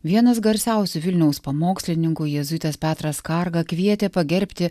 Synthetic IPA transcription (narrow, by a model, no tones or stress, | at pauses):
ʋʲiɛnɐsɡɐɾʲsʲɛˑʊsʲʊʋʲɪlʲnʲɛʊspɐmoːksʲlʲɪnʲɪŋkʊjɛzʊt̪ʲɛspʲæːt̪ɾɐskɐɾɡɐkʋʲiɛt̪ʲepɐɡʲɛɾʲpʲt̪ʲɪ